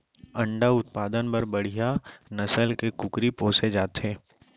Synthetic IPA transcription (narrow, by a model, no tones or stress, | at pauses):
ɐ̃ɳɖaʊt̪̚paːd̪ənpɐɾbɐɽ̤ijanɐsəlkekʊkɾipoːsed͡ʒaːt̪ɦeː